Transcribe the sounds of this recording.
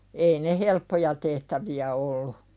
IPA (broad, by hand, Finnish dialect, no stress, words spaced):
ei ne helpːojɑ tehtæʋiæ olːu